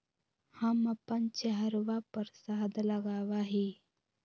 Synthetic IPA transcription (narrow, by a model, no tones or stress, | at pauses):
hɐmɐpənt͡ʃəɦəɾʋapəɾsaːd̪ləɡaːwaɦiː